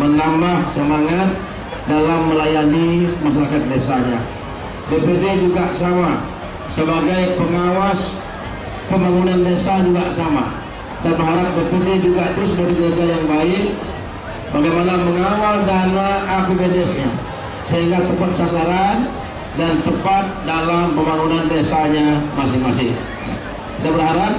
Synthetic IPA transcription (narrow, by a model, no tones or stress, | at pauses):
mənambahsəmaŋat̪̚ | dalamːəlajanimasaɾakat̪̚desaɲa | bepeped͡ʒuɡaʔsama | səbaɡajpəŋawas | pəmaŋunanːesad͡ʒuɡaʔsama̰ | danbərɦaɾap̚bəpədid͡ʒuɡaʔt̪əɾʊsbəɾiɡəlad͡ʒajaŋbaɪʔ | baɡajmanaməŋawaldanaːpebɛdɛsɲa | səɦiŋɡat̪əpat̪̚sasaɾan | dant̪əpat̪̚dalampəmbaŋunandesaɲamasɪhmasɪh | dabəɾɦaɾap̚